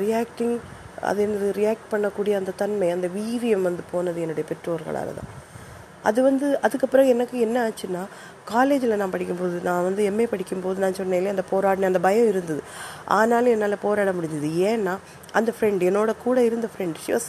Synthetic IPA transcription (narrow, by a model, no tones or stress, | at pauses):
ɾɪjaːkʈɪŋ | ɐ̰ðeːnɐðɯɾɪjaːk̚ʈ̚pɐɳːɐkːuːɽɪjɐːnd̪ɐt̪ɐnmɐɪɐnd̪ɐʋiːɾɪjɐmʋɐnd̪ɯpoːnɐðɯɛnːɯɽɐjɐpɛʈːɾoːʋɐɾɣɐ̰ɭa̰ːlɐ̰t̪ã̰ː | ʔɐ̰ðɯʋɐnd̪ɯʔɐðɯkːɐpːɯɾɐ̃ɛnːɐkːɯɛnːɐaːt͡ʃːɯnːaː | kaːleːd͡ʒɪlɐnãːpɐɽɪkʲːɯmpoːðɯnãːʋɐnd̪ɯɛmːeːpɐɽɪkʲːɯmpoːðɯnãːsɔnːɐːɪlɐɐnd̪ɐpoːɾaːʈnẽːɐnd̪ɐbɐjɐ̃ɪɾɯnd̪ɐðɯʔa̰ːnaːlɯ̃ɛnːaːlɐpoːɾaːɽɐmʊɽɪɲd̪ɐðɯeːnːaː | ʔɐnd̪ɐfɾɛɳɖɛnːoːɽɐkuːɽɐɪɾɯnd̪ɐfɾɛɳɖʃɪʋɐs